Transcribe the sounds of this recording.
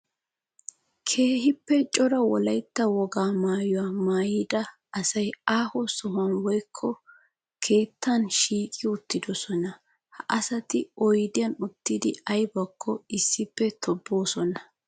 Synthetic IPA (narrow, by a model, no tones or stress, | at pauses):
kʰe̞ːhɪpːɛt͡ʃʼɔɾɐwɔ̰lɐjt̪ːɐwɔɡaːmaːjɔwaːmaːjid̪ɐː | sɐjaːhɔsɔhʊɐnwɔjkʰːɔ | kʰe̞ːt̪ːɐnʃiːkʼɪʊt̪ːɪd̪ɔsɔnɐ | hɐʔɐsɐt̪ɪɔjd̪ɪjɐnʊt̪ːid̪ɪɐjbɐkʰːɔɪsːɪpːɛt̪ʰɔbːo̞ːsɔnɐ